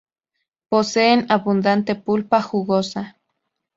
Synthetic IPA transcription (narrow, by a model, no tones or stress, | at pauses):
poseːnaβund̪ant̪epulpahuɣosa